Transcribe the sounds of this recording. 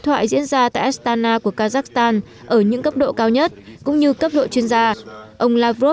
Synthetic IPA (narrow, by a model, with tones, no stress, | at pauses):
t̪ʰwa̰ː˧˨jzḭ˧˥ənzaː˧t̪a̰ː˧˨jʔa˦˥st̪aː˧naː˧ku˧˩əkaː˧zaː˦˥k̚st̪aː˧n | ʔəː˧˩ɲɨ̰˧˥ŋkə˦˥p̚ɗo̰˧˨kaː˧wɲə˦˥t̚kʊ̰˧˥ŋ͡mɲɨ˧kə˦˥p̚ɗo̰˧˨t͡ɕwi˧ənzaː˧ʔə˧wŋ͡mlaː˧vo˦˥